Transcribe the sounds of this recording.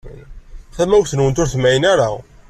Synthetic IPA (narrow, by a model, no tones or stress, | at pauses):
θæmːæwθənwənt̪ʊɾθəmːæjənæɾæw